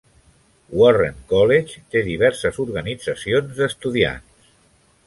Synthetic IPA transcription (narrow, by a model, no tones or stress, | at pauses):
wɔreŋkɔlet͡ʃt̪eðiβ̞ɛɾsəzuɾɣənid͡zəsionzəst̪uðia̰ns